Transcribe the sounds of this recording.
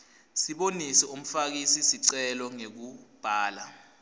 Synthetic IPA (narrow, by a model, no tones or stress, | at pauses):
siɓonisɛum̩fak̬isisiǀɛlɔŋek̬ub̥ʱaːla